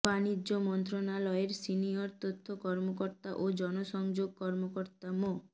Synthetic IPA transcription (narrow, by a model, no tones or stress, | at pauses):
banid͡ʒomɔnt̪ɾonalɔeɾsiniɔɾt̪ot̪ʰːokɔɾmokɔɾt̪aʔod͡ʒɔnosɔŋd͡ʒoɡ̚kɔɾmokɔɾt̪amo